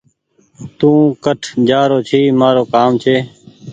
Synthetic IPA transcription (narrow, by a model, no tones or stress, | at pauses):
t̪ũːkəʈʰd͡ʒaːɾoːt͡ʃʰiːmaːɾoːkaːmt͡ʃʰeː